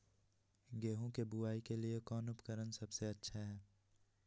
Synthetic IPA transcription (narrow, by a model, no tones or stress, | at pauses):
ɡeːɦõkebʊaːikeliekɔːnʊpkəɾənsɐbseɐtːʃʰaɦɛː